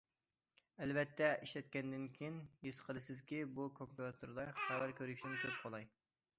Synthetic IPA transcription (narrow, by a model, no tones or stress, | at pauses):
ɛlvɛt̪ʰːɛʔiʃlɛt̪̚kʲɛnd̪ɪnkʲʰijinjesqʰəlˠɨsɪzkʲibukʰompjɑt̪ʰuɾd̪ɑχæwæɾkʲʰøɾykʲʃinɪnkʲʰølp̚qʰolˠɑj